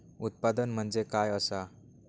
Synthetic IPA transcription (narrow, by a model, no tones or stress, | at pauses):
ut̪̚pad̪ənm̤əɳd͡zekajəsa